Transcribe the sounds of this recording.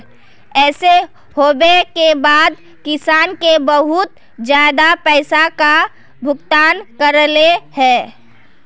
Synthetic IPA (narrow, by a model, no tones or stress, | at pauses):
ɛːse | hobekebaːd̪ | kɪsaːnkebəɦut̪ | d͡ʒjad̪apɛɪsaka | bʱʊɡt̪aːnkəɾlehɛː